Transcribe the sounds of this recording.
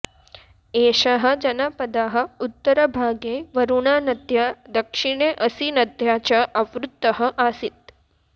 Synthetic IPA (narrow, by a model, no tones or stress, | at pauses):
eːʃaɦɐ̆d͡ʒɐnapɐd̪aːɦɐ̆ut̪ːɐɾɐbʱaːɡeːʋɐɾuɳaːnɐd̪ʱjad̪ɐkʂiɳeːʔɐsinɐd̪ʱjaːt͡ʃɐʔɐʋɾut̪ːɐɦɐ̆ʔaːsit̪̚